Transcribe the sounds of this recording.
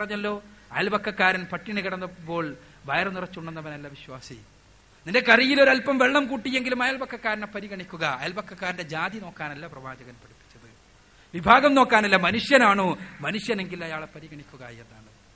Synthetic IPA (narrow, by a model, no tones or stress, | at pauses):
prɐɲːɐlːo̞ːɐjɐlbɐkːɐkːaːɾɐnpɐʈːiɳiɣɐɽɐnːɐpːo̞ːɭ | bɐjɐrɐnirɐt͡ɕːuɳːɖenːɐʋɐnɐlːɐʋiɕwaːsḭ | nindekɐrijilo̞ɾɐlpɐmʋe̞ɭːɐmkuːʈːijːe̞ŋɡilumɐjɐlbɐkːɐkːaːɾɐnepːɐɾiɣɐɳikʲːuɣɐːjɐlbɐkʰːɐkːaːɾinde̞d͡ʑaːd̪ino̞ːkːaːnɐlːɐprɐʋaːd͡ʑɐɣɐnpɐɽipːi̥t͡ɕːɐðɨ | ʋibʱaːɡɐmno̞ːkːaːnɐlːɐmɐnuʂjɐnaːɳɨmɐnuʂjɐne̞ŋɡilɐjaːɭepːɐɾiɣɐɳikʲːuɣɐjenːaːɳɨ